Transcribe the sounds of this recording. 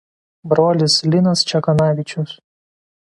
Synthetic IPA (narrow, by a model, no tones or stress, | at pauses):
bɾoːlʲɪslʲɪnɐst͡ʃʲɛkɐnɑːʋʲɪt͡ʃʲʊs